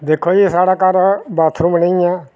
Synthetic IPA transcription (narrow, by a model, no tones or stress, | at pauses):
d̪eːkʰːoːd͡ʒisaːɽaːkaːɾbaːt̪ʰɾũːbənẽãː